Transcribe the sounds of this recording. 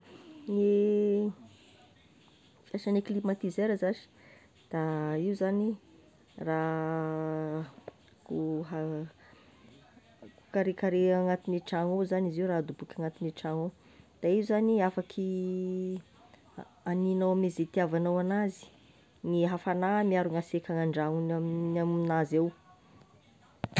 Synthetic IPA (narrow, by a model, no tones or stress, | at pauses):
ne | fasaneklimat̪izeɾəzazi̥ | d̪̥aiuzani | ra | kuɦa | ku̥kaɾekaɾeaŋat̪iniʈ͡ʂaŋowzaniziwɾad̪ubukʲaŋat̪iniʈ͡ʂaŋo | d̪̥aiuzaniafakʰi | aninawamizet̪iavanawanazi̥ | niɦafanamiaɾuŋasekʲaŋaɳɖ͡ʐaŋunamnamminazew